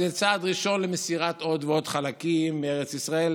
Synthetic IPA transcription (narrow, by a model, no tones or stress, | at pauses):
zet͡saːd̪ʁiʃo̞nlemesiʁat̪o̞d̪veo̞dχalakimːeeʁet͡sisʁael